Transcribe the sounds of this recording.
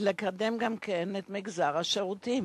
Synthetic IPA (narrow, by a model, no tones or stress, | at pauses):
lekademɡamkenet̪miɡzaʁhaʃeʁutim